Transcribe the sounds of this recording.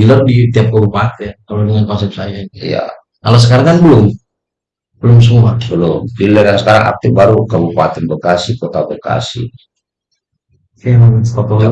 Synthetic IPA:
ilərdit̪iap̚kəbupat̪ɛnkalodəŋankɔnsɛp̚sajainiḭja̰ | kalos̬əkaɾaŋkanbəlʊm | bəlʊmsuŋbabəlʊmfiləɾjaŋsəkaɾaŋʔa̰p̚t̪ibaɾukəbupa̰t̪ɛnbəkasikot̪abəka̰sḭ | iamamt̪kɔt̪ɔ

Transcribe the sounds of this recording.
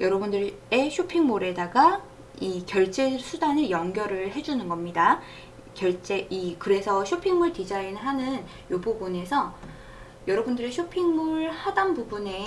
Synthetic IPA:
jʌɾʌbundɯɾe̞ɕʰopʰiŋmoɾe̞daɡa | ikjʌɭt͡ɕ͈e̞sʰudanɯjʌŋɡjʌɾɯɭhe̞d͡ʑunɯnɡʌmɲida | kjʌɭt͡ɕ͈eikɯɾe̞sʰʌɕʰopʰiŋmuɭtid͡ʑainɦanɯn | joboɡone̞sʰʌ | jʌɾʌbundɯɾe̞ɕʰopʰiŋmoɭhadanbubune̞

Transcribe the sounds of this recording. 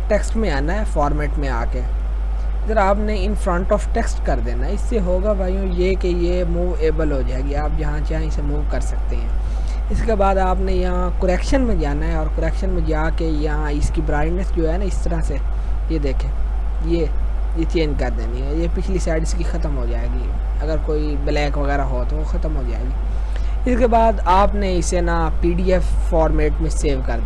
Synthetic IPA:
ʈɛksʈmẽaːnaɦɛːfɔːɾmeːʈmẽa̰ːke | ɡ̪əɾaːpneɪnfɾə̃ɳʈɔːfʈɛksʈkɐɾd̪eːnaɦɛɪsːeɦoːɡabʱaːijõjekeje | muːʋeːbəlɦoːd͡ʒaːeɡiaːpjɐɦãt͡ʃaːĩsemuːʋkɐɾsɐk̚t̪eɦɛ̰̃ː | ɪskebaːd̪aːpnejɐɦãkoɾɛːkʃənmẽd͡ʒaːnaɦɛɔːɾkoɾɛːkʃənmẽd͡ʒaːkejɐɦãɪskibɾaːɪɳɖnəsd͡ʒoːɦɛnaɪst̪ɐɾase | jed̪eːkʰẽː | je | jet͡ʃẽːɲd͡ʒkɐɾd̪ḛːniɦɛjepɪt͡ʃʰlisaːɪɖɪskixɐt̪əmɦod͡ʒaːeːɡi | ɐɡəɾkoːi | blɛːkʋɐɣɛːɾaɦot̪oʋoxɐt̪əmɦod͡ʒa̰ːeːɡi | ɪskebaːd̪aːpneɪsena | piːɖiɛfːɔːɾmeːʈmẽseːʋkɐɾd̪

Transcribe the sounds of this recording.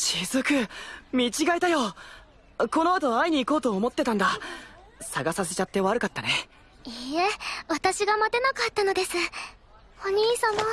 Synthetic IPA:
t͡ɕizɨkɯ̟mʲit͡ɕiɡait̪ajo̞ | ko̞no̞at̪o̞aiɲ̟iːko̞ːt̪o̞ːmo̞t̪ːe̞t̪ãnd̪a | saɡasase̞t͡ɕat̪ːe̞βaɾɯ̟kat̪ːane̞ | ieβat̪aɕiɡamat̪e̞nakat̪ːano̞d̪e̞sɨ | oɲ̟iːsamo

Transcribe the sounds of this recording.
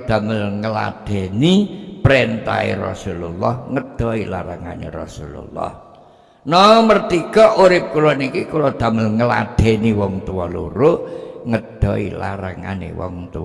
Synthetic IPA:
d̪̥a̤məlŋəla̰d̪̥e̤nipɾent̪a̰ḛrɔ̰sululːɔhŋəd̪̥ɔ̤ilaɾaŋanḛrɔsulṵlːɔ̰h | nɔmərt̪ikɔʔuɾɪp̚kulɔnikikulɔd̪̥a̤məlŋəla̰d̪̥e̤niwɔŋt̪uwɔlṵɾuŋəd̪̥ɔ̤ḭlaɾaŋanḛwɔ̰ŋt̪u

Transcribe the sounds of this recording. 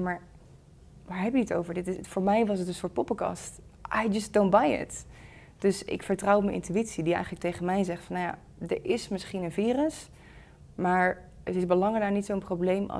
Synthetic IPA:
maːɹ | ʋaːɹɦɛpjəəto̰wvəɹdɪtɪfʊːɹmɛjʋɑsətənsʊːɹt̚popəkɑ̰stʔa̰jd͡ʒʌsd̥õwnt̚bajɪ̰t | d̥ɵsɪ̰kfəɹtrʌwpmənʔɪ̰ntyitsidiɛ̰jχələk̚tejχənmɛjzɛχtfɑnja̰ | dəɹʔɪsmɪsχinənviːrəs | maːɹ | ətɪsbəlɑŋədaːnitsowənprowblejmʔɑ̰

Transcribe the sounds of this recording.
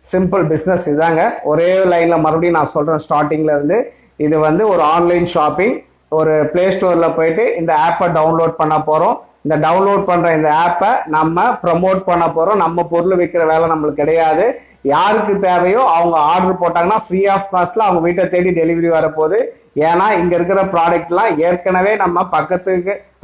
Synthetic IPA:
sɪmpɯlbɪsnɛsɪaːŋɡɐɔɾeːlɐɪnlɐmɐɾɐbɐɽinãːsɔlrẽːsʈaːʈːɪ̃ŋɡlɐɪɾɯnd̪ɯ | ɪðɯʋɐnd̪ɯɔɾɯaːnlɐɪnʃaːpːɪŋɡ | ɔɾɯpleːsʈoːɾɪlɐpoːjɪʈːɯʔɪnd̪ɐaːpːɐɖɐʊnloːɖ̚pɐɳːɐpːoːɾõːɪnd̪ɐɖɐʊnloːɖ̚pɐɳːɾõːɪnd̪ɐaːpːɐnɐmːɐpɪɾɐmoːʈ̚pɐɳːɐpːoːɾõnɐmːɐpɔɾɯlɯʋɐɪkːɪɾɐʋeːlɛnɐmːɐɭɯkːɪɽɐjaːðɯ | jaːɾɯkːɯt̪eːʋɐjõɐʋɐŋɡɐaːɾɖɐɾpoːʈːaːŋɡɐnːaːfɾiːaːfkaːslɐːɐʋɐŋɡɐʋiːʈːlɐt̪eːɽiɖɛlɪʋɐɾiʋɐɾɐpoːðɯ | eːnaːɪŋɡɐɪɾɯk̬ːɪɾɐpɪɾaːɖɐk̚ʈːlãːeːɾkɐɳɐʋeːnɐmːɐpɐkːɐt̪ːɯkːɯ

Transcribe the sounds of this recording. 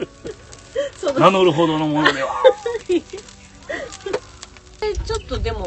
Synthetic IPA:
sod̪nanoɾɯ̟ɦod̪onomonod̪e | et͡ɕot̪ːod̪e̞mo

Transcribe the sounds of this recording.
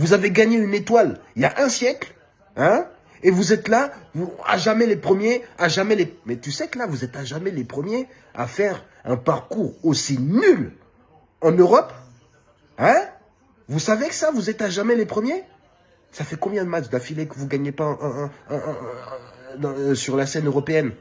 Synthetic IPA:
vuzaveɡaɲeynet̪waliljaʔɛ̃sjɛkl | ɛ̃ | evuzɛt̪lavua̰ʒamɛlepχəmjeaʒamɛlemɛt̪ysɛklavuzɛt̪aʒamɛlepχəmje | a̰fɛʁ | ɛ̃paʁkuʁosinyl | ɑ̃nøʁɔp | ɛ̃ | vusavekə̥savuzɛt̪aʒamɛlepχəmje | safɛkɔ̃bjɛ̃d̪əmat͡ʃd̪afilekəvuɡaɲepaʔ | d̪ɑ̃syʁlasɛnøʁɔpeɛn

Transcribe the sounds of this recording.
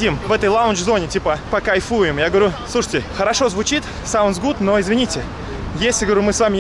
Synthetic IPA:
dʲimvɛt̪əjlˠaʊnd͡ʒzonʲɪtʲipəpəkɐjfujɪmjaɡəvɐɾʲusluʂə̥tʲɪxəɾɐʂo̞zvʊt͡ɕit̪ | saʊnzɡut̪noɪzvʲɪnʲitʲɪ | jesʲlʲɪɡəvɾʲumɨsvamʲɪ

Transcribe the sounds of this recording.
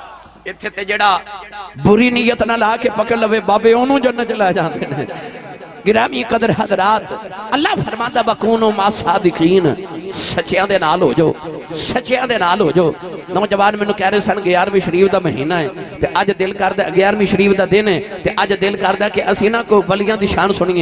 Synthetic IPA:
ɪt̪ʰːeːt̪eːd͡ʒeːɽaːbʊɾiːniːjət̪nãːlaːkeːpəkəɽləʋeːbaːbeːoːnũːd͡ʒoːnə̃t͡ʃəlaːjːd͡ʒãːnd̪eːneː | ɡɪɾaːmĩːkəd̪əɾɦəd̪ɾaːt̪əlːaːpʰəɾmãːd̪aːbəkuːñːmaːsaːd̪jəkiːnsət͡ʃɪjãːd̪eːnaːlɦo̰ːd͡ʒo̰ːsət͡ʃɪjãːd̪eːnaːlɦo̰ːd͡ʒoːnɔ̃ːd͡ʒəʋaːnmɛ̃ːnũːkɛːɾeːsənɡɪjaːɾmĩːʃəɾiːpd̪aːməɦiːnaːɛːt̪eːʔəd͡ʒd̪ɪlkəɾd̪aːɡɪjaːɾmĩːʃəɾiːpd̪aːd̪ɪnɛːt̪eːʔəd͡ʒd̪ɪlkəɾd̪aːkɪʔəsĩːnãːkobəlɪjãːd̪iːʃaːnsʊɽ̃ĩːãː

